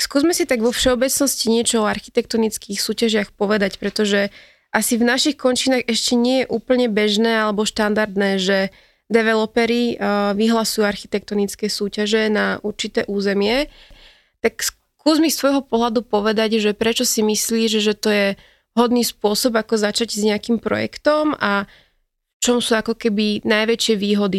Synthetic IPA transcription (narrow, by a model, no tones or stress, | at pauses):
skuːzmɛsit̪aɡʋɔfʃɛɔbɛt͡snɔsciɲɪɛt͡ʃɔɔaɾxi̥t̪ɛkt̪ɔnit͡skiːxsuːcaʒɪaxpɔʋɛd̪acpɾɛt̪ɔʒɛ | ʔasivnaʃixkɔnt͡ʃiːnaɣɛʃcɛɲɪɛjɛʔuːpl̩ɲɛbɛʒnɛːalɛbɔʃt̪and̪aɾd̪nɛːʒɛ | d̪ɛʋɛlɔpɛɾiʋiɦlasujuaɾxit̪ɛk̚t̪ɔnit͡skɛːsuːcaʒɛnaʔuɾt͡ʃit̪ɛːʔuːzɛmɪɛ | t̪aks | kuːzmist̪ʋɔjɦɔpɔɦlad̪upɔʋɛd̪aɟʒɛpɾɛt͡ʃɔsimisliːʒʒɛt̪ɔjɛ | ɦɔd̪niːspʊɔsɔbakɔzat͡ʃaɟzɲɛakiːmpɾɔ̰jɛ̰kt̪ɔma | ft͡ʃɔmsuːakɔkɛbinajʋɛt͡ʃɪɛʋiːɦɔd̪i